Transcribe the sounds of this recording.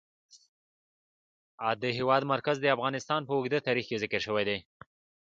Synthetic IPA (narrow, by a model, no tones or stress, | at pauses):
ad̪əɦewɑd̪maɾkazd̪əafɣɑnɪst̪ɑnpəʊɡd̪at̪ɑɾixkezɪkəɾʃəwed̪e